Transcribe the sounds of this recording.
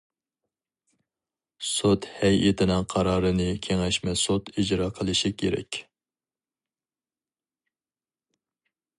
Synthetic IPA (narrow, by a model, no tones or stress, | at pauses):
sot̪hɛjʔɪt̪ʰɪnɪŋqʰɑɾɑːɾɨnɨkʲʰeŋɛʃmɛsot̪id͡ʒɾɑːqʰəlˠɨʃikʲʰeɾɛ̰kʲ